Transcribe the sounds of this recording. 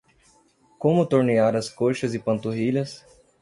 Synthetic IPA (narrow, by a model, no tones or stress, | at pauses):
kõmʊt̪oɾneaɾɐskoʃɐzɪpɐ̃nt̪oɦiʎɐs